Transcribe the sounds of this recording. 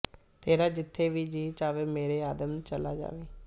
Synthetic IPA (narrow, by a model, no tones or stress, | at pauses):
t̪eːɾaːd͡ʒɪt̪ʰːeːʋiːd͡ʒiːt͡ʃaːʋeːmeːɾeːaːd̪əmt͡ʃəla̰ːd͡ʒa̰ːʋeː